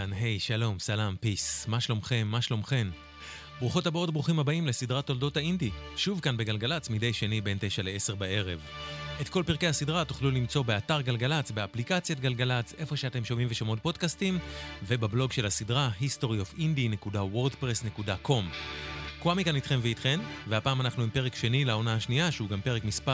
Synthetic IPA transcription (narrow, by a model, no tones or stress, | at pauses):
anɦe̞jʃalo̞msalampismaʃlo̞mχe̞mːaʃlo̞mχe̞m | bʁuχothabao̞t̚bʁuχimhabaimlesidʁatːo̞ldo̞thaindi | ʃuvkanbe̞ɡalɡalat͡smidejʃe̞nibe̞nte̞jʃaleese̞ʁbae̞ʁe̞v | etko̞lpiʁkehasidʁatu̥χlulimt͡so̞beataʁɡalɡalat͡sbeaplikat͡sjat̚ɡalɡalat͡se̞fo̞ʃeate̞mʃomimveʃomo̞t̚po̞dkastimve̞bablo̞ɡʃe̞lasidʁaɦisto̞ʁiofindine̞kudawo̞ʁdpʁesne̞kudakʰo̞mkuamikanitχe̞mveitχe̞mveapaːmanaχnuimpe̞ʁekʃe̞nilao̞naɦaʃniaʃeuɡampe̞ʁ̞ekmispa